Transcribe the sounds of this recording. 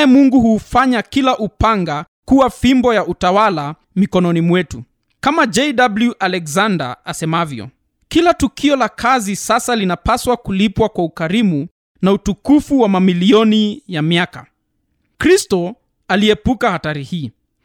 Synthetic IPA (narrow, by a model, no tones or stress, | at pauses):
jɛmuŋɡuɦuːfaɲakilaʔupaŋɡa | kuwafimbɔjaʔutawala | mikɔnɔnimwɛtu | kamad͡ʒɛjdabluʔalɛkzanda̰asɛmavjɔ̰ | kilatukʰiɔlakʰazisasalinapaswakulipwakwaukaɾimu | nautukufuwamamiliɔnijamiaka̰ | kɾistɔ | aliɛpukahataɾihiː